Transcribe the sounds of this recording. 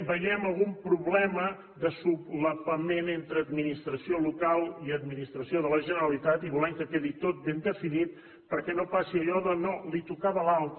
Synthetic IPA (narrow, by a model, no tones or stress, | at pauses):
bəjɛməlˠɣumpɾuβlɛmə | ðəsubləpəmenent̪ɾəːd̪minist̪ɾəsiolukalˠiəd̪minist̪ɾəsioðələʒənəɾəlit̪at̪iβulɛmkəkeðit̪ot̪̚bend̪əfinit̪̚ | pəɾkɛnopasiəʎɔðənolit̪ukaβəlalˠt̪